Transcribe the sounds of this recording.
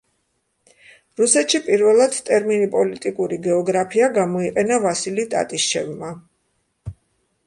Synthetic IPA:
ɾusɛt̪ʃipʼiɾvɛlˠad̪̥t̪ʼɛɾminipʼɔlit̪ʼikʼuɾiɡɛɔɡɾapʰiaɡamɔiqʼɛnavasilit̪ʼa̰t̪ʼiʃt͡ʃʰɛ̰vma

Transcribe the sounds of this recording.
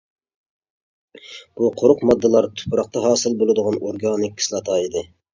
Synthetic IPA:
b̥uqʰoɾʊqmɑd̪ːɨlˠɑɾt̪ʰu̥pʰɾɑq̚t̪ɑɦɑːsɨlˠbolˠɨd̪ʊʁɑnoɾɡɑːnɪk̚ʲːʰi̥slˠɑt̪ʰɑːid̪ɨ

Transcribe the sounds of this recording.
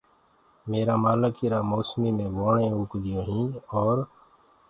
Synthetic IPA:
meːɾaːmaːləkɪɾaːmoːsmiːmẽːʋoːɳẽːuːkd̪ɪjõːɦĩːɔːɾ

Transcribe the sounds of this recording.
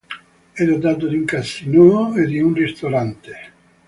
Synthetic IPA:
ɛɾad̪aːt̪̬od̪iuŋkasinoed̪iunrist̪oɾant̪e̥

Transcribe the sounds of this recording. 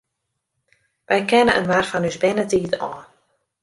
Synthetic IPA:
ʋɛjkɛnəʔənʋarfɔnysbɪnətiːtɔːn

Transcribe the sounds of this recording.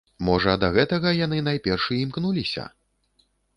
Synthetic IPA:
mɔʐɐd̪ɐɣɛt̪ɐɣɐjanɨnajpʲɛrʂɨimknulʲisʲɐ̰

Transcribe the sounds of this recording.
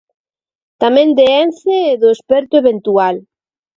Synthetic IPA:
t̪amẽnd̪eɛnθeːðoespɛɾt̪ʊeβent̪ual

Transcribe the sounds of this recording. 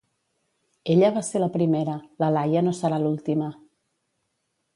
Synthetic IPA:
eʎəβ̞aseləpɾimeɾələlajənosəɾalulˠt̪imə

